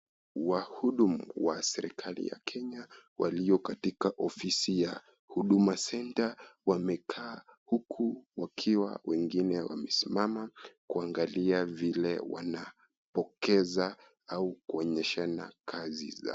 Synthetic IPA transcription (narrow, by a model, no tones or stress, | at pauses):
wahuɗumuwasɛɾikʰalḭja̰kʰɛɲawʔaliɔkatikaʔɔfisija | huɗumasɛntawamɛkʰaːhukʰuwakʰiwa̰wɛŋɡinɛwa̰mɛsimamakuaŋɡaliavilɛwa̰na | pɔkɛza | aukuɔɲɛʃana̰kʰazḭza̰